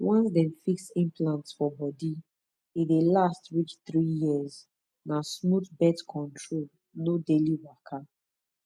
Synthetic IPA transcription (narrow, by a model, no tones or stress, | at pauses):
wɔ̃nsdɛ̃mfiksĩmplãntsfɔbɔdi | idelastɹit͡ʃt̪ɹijiəz | nasmutbɛtkʰɔ̃ntʰɹol | nodeliwakʰa